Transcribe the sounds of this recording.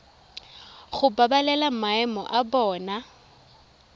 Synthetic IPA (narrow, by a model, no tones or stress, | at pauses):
ɣʊbabalɛlamaɛmɔ̰ʔabɔːna